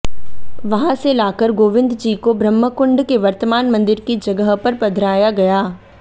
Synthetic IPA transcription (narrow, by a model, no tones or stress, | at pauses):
ʋɐɦãselaːkəɾɡoːʋɪ̃nd̪d͡ʒiːkobɾɐmːəkʊ̃ɳɖkeʋɐɾt̪əmaːnmɐ̃nd̪ɪɾkid͡ʒɐɡəɦpɐɾpɐd̪ʱɾaːjaɡɐjaː